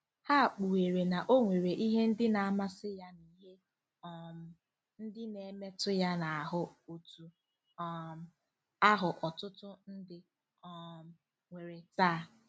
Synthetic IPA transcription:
ha˦a˨k͡pu˨we˨ɾe˨na˨ʔo˦ŋʷe˨ɾe˨ʔi˦ɦe˦n̩˦dɪ˦na˨a˨ma˦sɪ˦ja˦ni˨ɦe˦ | ɔ˦˨m˨ | n̩˦dɪ˦ne˨me˦tʊ˦ja˦na˨a˨ɦʊ˦o˨tu˨˦˨ | a˦ɦʊ˨ʔɔ˨tʊ˦tʊ˦n̩˦dɪ˦ | ɔ˦˨ | ŋʷe˨ɾe˨taː˦˨

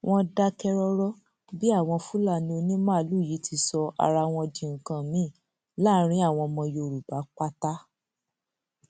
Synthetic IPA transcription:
w̃ʔɔ̃˧da˧kɛ˧ɾɔ˧ɾɔ˦ | bi˦a˦˨w̃ɔ̃˧fu˦la˦˨nĩ˧o˧nĩ˦mãː˦˨˦lu˦˨ji˨˦tʰi˧sɔ˧a̰˧ɾa˧w̃ɔ̃˧dĩ˧˨ŋ̩˨kã˧mĩ˨˦˨ | la˦ɾ̃ĩ˦a˦˨w̃ɔ̃˧mɔ̃˧jo˧˨ɾu˨ba˨˦k͡pa˦ta˦

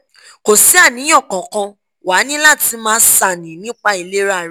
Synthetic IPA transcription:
ko˨si˨˦a˦˨nĩ˨˦ɔ̃˦˨kɔ̃˨kã˧ | wa˨˦nĩ˦la˦˨ti˧mãː˦˧˦sa˦˨nĩ˨˦nĩ˦k͡pa˧i˧le˦ɾa˦˨ɾ

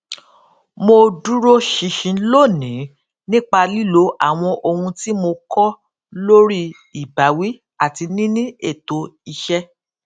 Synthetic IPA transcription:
mo˧du˦ɾo˦ʃi˨˧˦ʃĩ˧˦lo˦˨nĩ˨˦ | nĩ˦k͡pa˧li˦lo˨˦ʔa˦˨w̃ɔ̃˧ʔo˧hũ˧ti˦mo˧kɔ˦ | lo˦ɾi˦ | i˨ba˨˦wi˦ | a˦˨ti˧nĩ˦nĩ˦e˦˨to˨˦i˧ʃɛ˧

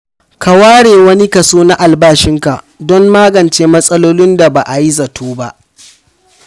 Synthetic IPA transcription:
ka˨waː˦ɽeː˨wɐ˦ni˦ka˨soː˦na˦ʔa˨lbaː˦ʃɪ˦ŋka˨ | dɔ˦mːaː˦ɡɐ˨nt͡ʃeː˦mɐ˦sʼɐ˦loː˦lɪ˦nda˨ba˨ʔa˨ji˦zɐ˨tʰuː˦ba˦ʔ

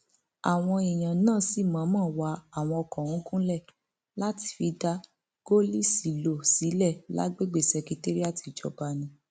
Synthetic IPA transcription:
a˨w̃ɔ̃˧i˨j̃ã˨nãː˦˨si˦˨mã˨˦mãː˦˨wa˧˦a˨w̃ɔ̃˧ɔ˧kɔ̃˨ũ˨˦kũ˦lɛ˦˨ | la˦ti̥˧˦fi˨˦da˧˦ | ɡ̥o˦li˦si˨˦lo˨si˨˦lɛ˦˨la̰˦ɡ͡be˦˨ɡ͡be˦˨sɛ˧ki˧te˦ɾi˦a˦˨ti˧˨d͡ʒɔ̰˧˨ba˧nĩ˧˦

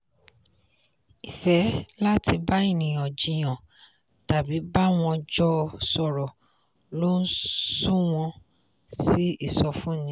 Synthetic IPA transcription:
i˨fɛ˨˦la˦ti˧ba˦i˦˨nĩ˨j̃ɔ̃˨d͡ʒĩ˧j̃ɔ̃˨ | ta˨bi˨˦ba˦w̃ɔ̃˧d͡ʒɔ˦˧sɔ˨ɾɔ˨ | lo˦n̩˦su˦w̃ɔ̃˧ | si˦i˦˨sɔ˧fũ˦nĩ˦

